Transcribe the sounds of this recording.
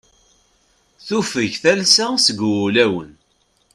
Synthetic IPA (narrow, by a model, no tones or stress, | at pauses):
θufəʝθælsæsəɡwulæwə̰n